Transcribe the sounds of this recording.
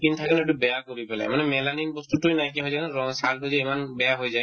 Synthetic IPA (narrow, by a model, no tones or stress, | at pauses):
kint̪ʰakɛneʈubɛjakoɾipɛla̰jmanemɛlaninbɔst̪uʈujnajk̬eɦojzanɾɔsalɦojzaemanbɛjaɦojzaj